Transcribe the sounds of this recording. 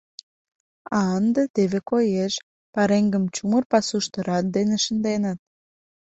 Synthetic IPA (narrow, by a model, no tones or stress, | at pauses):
ɑənd̪ə̆t̪eβekojeʃ | pɑɾeŋɡə̆mt͡ɕumərpɑsuʃt̪ə̆ɾɑt̪̚d̪enĕʃə̆nd̪enət̪̚